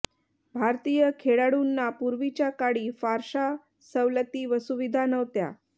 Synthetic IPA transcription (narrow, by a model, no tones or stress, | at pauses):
bʱaɾt̪ijəkʰeɽaɽunːapuɾʋit͡ɕjakaɽiːfaɾʂa | səʋlət̪iːʋəsuʋid̪ʱanəʋt̪ja̰